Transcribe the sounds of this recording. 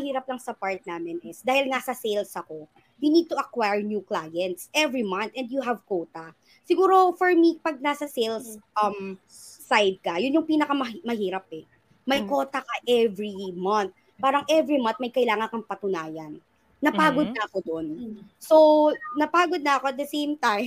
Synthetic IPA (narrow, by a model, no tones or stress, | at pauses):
ɐhiːɾɐplɐŋsɐpaɹt̪̚naːmɪnɪsd̪aːhɪlnaːsɐsejlsɐko̞ | junid̪̚t̪ʊʔɐkwajɹnjuklajɛnt̪sʔɛvɹimɐnt̪ʔɛnd̪juɦɐvkowt̪ɐ | sɪɡuːɾo̞fɔɹmipɐɡ̚nasɐsejlsʔɐmː | ajd̪̚kɐjʊnjʊŋpiːnɐkɐmɐmɐɦiːɾɐp̚ɛ | mɐjko̞ːt̪ɐkɐʔɛvɹimɐnt̪̚ | paːɾɐŋʔɛvɹimɐ̃nt̪̚mɐjkɐʔɪlaːŋɐnkɐŋpɐt̪ʊnaːjɐnː | ɐpaːɡod̪̚nɐʔɐko̞d̪onsonɐpaːɡod̪̚nɐɐko̞ɐt̪̚d̪ɐsẽjmt̪aj